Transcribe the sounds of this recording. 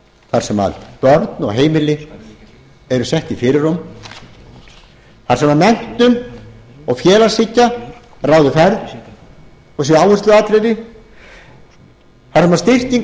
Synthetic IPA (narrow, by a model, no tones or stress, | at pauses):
θaɾ̥sɛma̰ðpœɾt̪nɔ̰ɣɦeːjmɪlɪ | ɛɾʏsɛht̪ifɪːɾɪɾʊm | θaɾ̥sɛmaðmɛn̥t̪ʏm | ɔɣfjɛːlḁsɪcːa | raːwðʏfɛɾð | ɔs̬ɛaːwvʏrst̪lʏaːt̪ɾejɾɪ | θaɾ̥sɛmaɾst̪ɪr̥c̪iŋ